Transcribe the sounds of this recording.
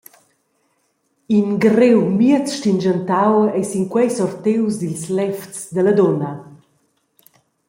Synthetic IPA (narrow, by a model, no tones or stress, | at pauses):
inɡrewmiət͡sʃtind͡ʒənt̪awɛjsiŋkwɛjsɔrt̪ewsd̪ilslɛft͡sd̪əlad̪ɔna